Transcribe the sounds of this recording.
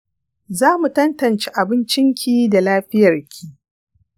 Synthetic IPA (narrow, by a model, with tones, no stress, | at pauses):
zaː˦mu˨tɐ˦ntɐ˨nt͡ʃe˦ʔa˨bɪ˦nt͡ʃɪ˦ŋkʲiː˦da˨laː˦ɸɪ˦jɐ˨rkʲʰiː˦˨ʔ